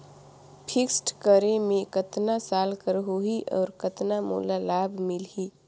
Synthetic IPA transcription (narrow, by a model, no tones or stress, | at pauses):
pʰɪksʈkəɾemẽkət̪nasaːlkəɾɦuɦiʔɔ̰ːɾkət̪namṵːlalaːbʱmɪlɦi